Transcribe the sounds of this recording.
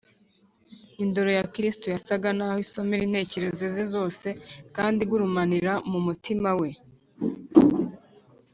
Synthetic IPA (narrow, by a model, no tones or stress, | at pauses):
indo̞ɾo̞jakɾistujasaɡanaːhoiso̞meɾin̥he̞ːce̞ɾe̞zezizo̞ːse̞kaːndiɡuɾumaniɾamumutimawe̞